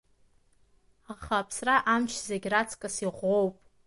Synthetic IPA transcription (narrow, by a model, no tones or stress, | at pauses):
aχapʰsraʔamt͡ʃʰzeɡʲrat͡sʰkʼasiʁʷowpʼ